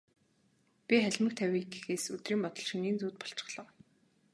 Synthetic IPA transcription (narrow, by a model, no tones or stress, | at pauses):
pʲiχæɮʲmɘ̆k̚t̪ʰæwʲiːɡexeːsɵt̪riːmpɔt̪ɞ̆ɮʃiŋiːnt͡suːt̪̚pɔ̥ɬt͡ɕɪ̥̆χɮɞ̆w